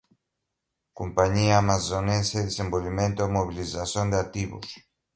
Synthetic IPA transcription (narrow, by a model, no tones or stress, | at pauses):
kompaɲiaːmasonenseðesembolβimẽnt̪oomoβilisasond̪eat̪iβo̰s